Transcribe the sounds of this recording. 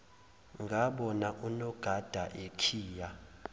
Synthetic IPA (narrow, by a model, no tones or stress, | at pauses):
ŋɡʱaɓɔnaʔunɔɡ̥ʱad̥ʱaʔekʰiːja